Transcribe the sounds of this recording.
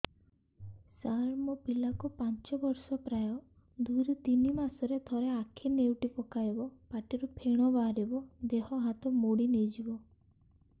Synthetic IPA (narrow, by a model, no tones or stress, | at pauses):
saɾmɔpilakupant͡ʃɔbɔɾsɔpɾajɔ | d̪ujɾut̪inimasɔɾet̪ʰɔɾeakʰinewʈipɔkajbɔpaʈiɾupʰeɽ̃ɔbaɾebɔd̪eɦɔɦat̪ɔmoɽinejd͡ʒibɔ